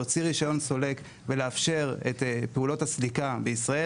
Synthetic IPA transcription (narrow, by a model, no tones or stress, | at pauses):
ot͡siʁiʃajo̞nso̞le̞k | veleafʃe̞ʁetpeulo̞thaslikabeisʁae